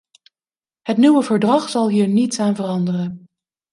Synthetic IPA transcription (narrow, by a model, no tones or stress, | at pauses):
hətnywəvəɹdrɑχsɑlˠɦiːɹnitsaːnvərɑndərən